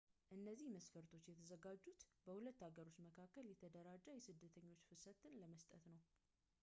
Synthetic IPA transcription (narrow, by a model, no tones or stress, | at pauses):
ʔɨnːəzːihməsfəɾt̪ʰo̞t͡ʃːjɛt̪ʰəzəɡad͡ʒːut̪bəhulət̪ːaɡəɾo̞t͡ʃːməkʰakːəljɛt̪ʰəd̪əɾad͡ʒːajɛsɨd̪ːət̪ʰəɲːo̞t͡ʃːfɨsət̪ːɨnləməst̪ʼət̪nəw